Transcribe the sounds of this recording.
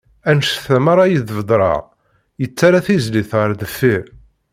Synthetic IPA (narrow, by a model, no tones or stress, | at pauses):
ænʃθæmɑɾˤɑjəðvəd̪ˤɾˤɑ̰ʁ | jət͡sːaɾaθizliθʁəɾˤðəfːiɾ